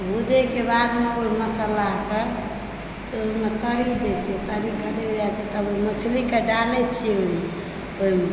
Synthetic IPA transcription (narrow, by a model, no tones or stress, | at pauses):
bud͡ʒɛkebad̪meoiməsəlake | seoimet̪əɾid̪ɛt͡ʃʰɛt̪əɾikəd̪ebd͡ʒat͡ʃʰɛt̪əboimət͡ʃʰlikeɖalɛt͡ʃʰiɛoime | oime